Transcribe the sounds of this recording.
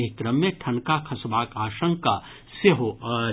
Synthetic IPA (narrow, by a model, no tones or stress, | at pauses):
ɦkɾəmːẽʈʰɐnkakʰɐsʋaːkaːʃə̃ŋka | seɦo